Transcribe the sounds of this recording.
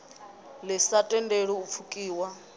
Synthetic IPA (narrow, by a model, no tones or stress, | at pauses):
lɪsatʼɛndeɺiup̪fʰukʼiːwa